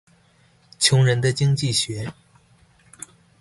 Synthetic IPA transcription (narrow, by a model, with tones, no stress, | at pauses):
t͡ɕʰjʊ˧˥ŋɻə˧˥nd̪ə˧t͡ɕi˥ŋt͡ɕi˥˩ɕɥɛ˧˥